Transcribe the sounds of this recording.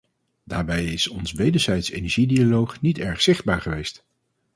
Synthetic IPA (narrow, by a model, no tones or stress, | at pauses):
daːɹbɛjɪsɔnsʋejdəɹzɛjtsejnɛɹʒidialowχnitɛɹχsɪχd̚baːɹχəʋejst